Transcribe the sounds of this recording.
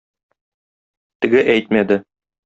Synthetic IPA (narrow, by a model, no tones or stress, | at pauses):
t̪ɘ̆ɡɘʔæjt̪mæd̪ɘ